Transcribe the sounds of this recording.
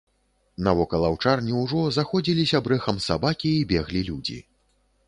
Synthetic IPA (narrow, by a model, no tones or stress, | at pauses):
nɐvɔkɐlˠɐwt͡ʂarnʲiwʐɔzaxɔd͡zʲilʲisʲɐbɾɛxɐmsabakʲiːbʲɛɣlʲilʲud͡zʲḭ